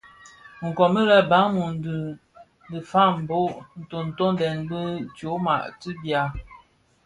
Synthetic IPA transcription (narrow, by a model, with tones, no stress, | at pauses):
ŋ̩˨kɔ˨mə˦ɾɛ˦ba˨˦ŋmu˨n˨də˨ | ndə˨fa˦˨m̩˨bo˦ʔn̩˨to˨n̩˨to˦n˦dɛ˨nbə˦t͡ʃo˨˦ma˨ʔti˦bja˨